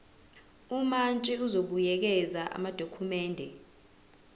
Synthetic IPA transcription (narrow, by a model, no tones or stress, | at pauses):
umant͡ʃʼɛuzoɓujɛk̬ɛzaʔa̰mad̥ʱokʰumɛːndʱɛ